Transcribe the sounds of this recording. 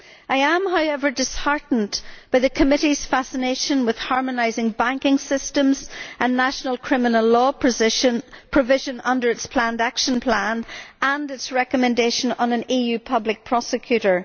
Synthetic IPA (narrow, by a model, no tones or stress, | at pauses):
ʔaɪə̃mɦaʊɛvə˞dɪshaɹʔn̩b̥aɪðɨkʰəmɪɾiz̥fasəneʃə̃nwɪð̥hɑɹmənaɪzɪ̃ŋbæ̃ŋkɪ̃ŋsɪstə̃mzə̃nːaʃənəlˠkʰɹ̥ɪmənəlˠɔ | pʰɹ̥əvɪʒə̃nʌ̃ndə˞ɨtspʰl̥ãndakʃə̃npʰl̥ãnə̃ndɪtsɹɛkəmɛ̃ndeʃə̃nə̃nə̃nijʉpʰʌblɪk̚pʰɹ̥ɔsɪkʰj̥ʉɾə˞